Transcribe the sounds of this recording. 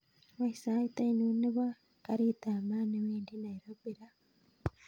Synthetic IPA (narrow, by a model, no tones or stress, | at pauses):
waisaitainuniβa | kaɾiːtaːmaniwiːndinaiɾobiɾa